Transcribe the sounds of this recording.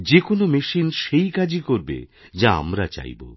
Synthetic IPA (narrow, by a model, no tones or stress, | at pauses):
d͡ʑekonomeʃinʃejkad͡ʑikoɾbḛd͡ʑaa̰mɾat͡ɕa̰jbo̰